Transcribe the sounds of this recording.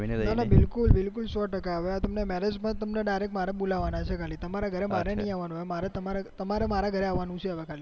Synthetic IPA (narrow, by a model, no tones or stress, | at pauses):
t̪anabɪlkʊlbɪlkulsɔʈəkaːʋeat̪əmnemɛɾed͡ʒpəɳt̪əmneɖajɾekmaɾebolaʋanat͡ʃʰekʰalit̪əmaɾaɡʱəɾemaɾenĩaʋanuɦemaɾet̪əmaɾet̪əmaɾemaɾaɡʱəɾeaʋːanũt͡ʃʰeəʋekʰali